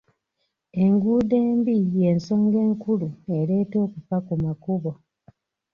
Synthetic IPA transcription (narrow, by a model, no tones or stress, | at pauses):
e̞ŋɡuːde̞ːmbije̞nso̞ːŋɡe̞ːŋkulue̞ɾe̞ːto̞ːkufakumakuβo̞